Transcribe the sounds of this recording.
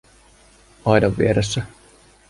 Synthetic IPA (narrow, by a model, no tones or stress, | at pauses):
ɑjdɑʋːḭeɾesːæ